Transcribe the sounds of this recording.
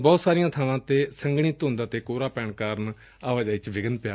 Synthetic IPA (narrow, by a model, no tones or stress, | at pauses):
bɔːt̪saːɾɪjãːt̪ʰəʋãːt̪eːsəŋɡɳ̃iːt̪ɦʊ̃nd̪aːt̪eːkoːɾaːpɛːɳkaːɾn | aːʋaːd͡ʒaːit͡ʃʋɪɡənpɪjaː